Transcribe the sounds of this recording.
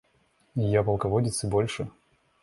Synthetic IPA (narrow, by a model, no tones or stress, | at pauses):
japɐlˠkɐvodʲɪt̪sɨbolʲʂɨ